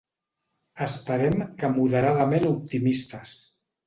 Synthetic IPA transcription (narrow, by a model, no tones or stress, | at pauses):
əspəɾɛmkəmuðəɾaðəmenup̚t̪imist̪əs